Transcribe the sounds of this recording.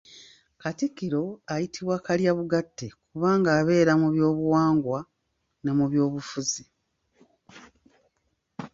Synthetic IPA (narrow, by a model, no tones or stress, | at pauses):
katikiɾo̞ajitiβwakaljaβuɡatːe̞kuβaːŋɡaːβe̞ːɾamuβjo̞ːβuwaːŋɡwa | ne̞muβjo̞ːβufuzi